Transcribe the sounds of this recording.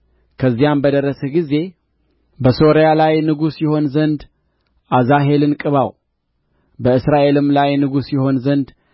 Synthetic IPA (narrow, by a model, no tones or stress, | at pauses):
kʰəzːijambəd̪əɾəsɛɡize̞ | bəso̞ɾijalajnɨɡusjɛho̞nzənd̪ | ʔazaɦe̞lɨnkʼɨβaw | bəɨsɾaʔe̞lɨmlajnɨɡusjɛho̞nzənd̪